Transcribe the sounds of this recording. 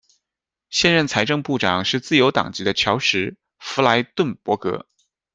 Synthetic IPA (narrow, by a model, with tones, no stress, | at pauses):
ɕjɛ˥˧nɻə˥˩nt͡sʰa˧˥ɪʈ͡ʂɤ˥˧ŋpu˥˩ʈ͡ʂɑ˨˩ŋʂɻ̩˥˧t͡sɹ̩˥˩jo˧˥ʊt̪ɑ̰˨˩ŋt͡ɕi˧˥d̪ə˧t͡ɕʰjɑ˧˥ʊʂɻ̩˧˥ | fu˧˥la˧˥ɪt̪wə˥˩npwɔ˧˥kɤ̰˧˥